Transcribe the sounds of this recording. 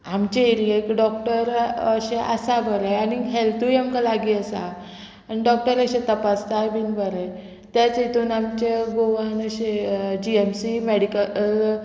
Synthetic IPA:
amt͡ɕeiɾiekiɖɔk̚ʈəɾəɕẽʔəsabʱəɾəjaniɦelt̪ujamkalaɡiːəsa̰ | aniɖɔk̚ʈəɾəɕẽt̪əpast̪ajbʱiːnbəɾəj | t̪jat͡set̪uːnamt͡ɕeɡoʋanəɕed͡ʑiemsimeɽikəl

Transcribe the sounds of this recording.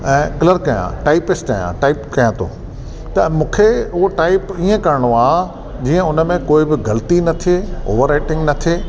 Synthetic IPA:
ɛ̃ːkɪləɾkɐjã̰ʈaːɪpɪsʈkɐjã̰ʈaːɪpkɐjãt̪ʰo̰ː | t̪ɐmũːkʰeʊɦoʈaːɪpiːə̃kɐɾɪɽ̃oaː | d͡ʑiːə̃ʊnə̆mẽkoːɪbɪɡɐlt̪inɐt̪ʰeo̰ːʋəɾaːɪʈɪ̃ŋɡnɐt̪ʰeː

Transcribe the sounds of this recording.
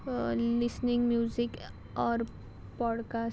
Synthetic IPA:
lɪsnɪ̃ŋɡmjuːzɪk | ɔːɾ | pɔːɖkaːs

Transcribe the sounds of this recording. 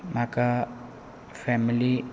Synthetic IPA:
maka | fɛmili

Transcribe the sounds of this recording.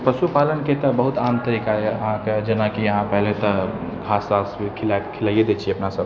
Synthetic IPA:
pəsupalənket̪ɔbəɦut̪amt̪əɾikaeəɦãked͡ʒenakiəɦãpɛɦlet̪ɔbʱasaskʰilakʰilaijed̪et͡ʃʰieəpnasəb

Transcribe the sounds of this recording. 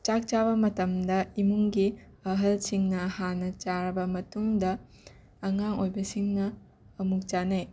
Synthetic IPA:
t͡ʃak̚t͡ʃabɐmɐtɐmdɐimuŋɡi | ɐɦɐlsiŋnɐhanɐt͡ʃaɾɐbɐmɐtuŋdɐː | ŋaŋojbɐsiŋnɐː | muk̚t͡ʃanɐj

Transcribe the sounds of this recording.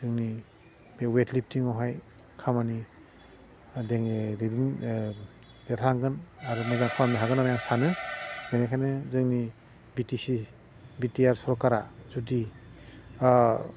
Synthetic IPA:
zɯŋni | bewetlip̚ʰtiŋɔwɦaj | kʰamani | deŋdidin | deɾʰaŋɡɯnaɾumazaŋpʰamiɦaɡɯnamajaŋsanɯbenakʰajnɯzɯŋni | bitisi | bitiaɾsɔɾɔkaɾazudi

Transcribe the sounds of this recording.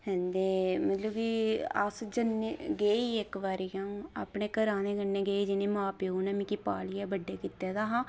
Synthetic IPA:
hɛ̃ːnd̪eːmət̪ləbkiə̰sd͡ʒəneɡeːiːɪkʋaːɾjãːa̰ːpɳeːkəɾaːneːɡənːeːɡeːiːd͡ʒɪnẽːmãːpeuːnəmĩːkiːpaːlɪjɛːbəɖːeːkit̪ːeːd̪aːɦãː

